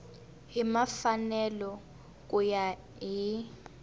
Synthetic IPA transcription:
ɦimafanɛlɔ | k̬ʼuja | ɦi

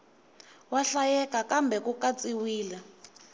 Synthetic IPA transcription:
waɬajɛkakambɛkukat͡siwiːlɛ

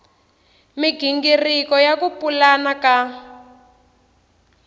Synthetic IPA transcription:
miɡʱiŋɡirikɔjakupulanaka

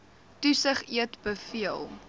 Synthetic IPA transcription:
tusəχiətbəfiəlˠ

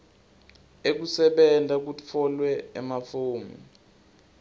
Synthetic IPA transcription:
ek̬usɛɓɛndʱak̬ut͡fʰɔlwɛɛmafoːmḭ

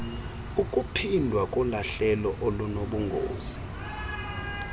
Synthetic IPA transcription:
ukʼupʰindʱwakʼɔlaɬɛlɔʔɔlunoɓuŋɡʱo̰ːz̥i̥

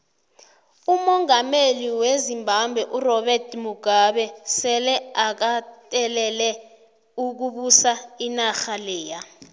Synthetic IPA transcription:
umɔŋameliwezimbʱambʱɛʔurɔɓɛrtʰmuɡ̥ʱaɓɛsɛlɛak̬atʼɛlɛlɛ | uk̬uɓusainaxalɛːja

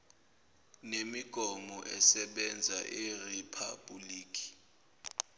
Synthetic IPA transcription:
nemiɡ̥ʱɔmɔʔɛsɛɓɛnd͡zʱaʔiripʰab̥uliːkʰi̥

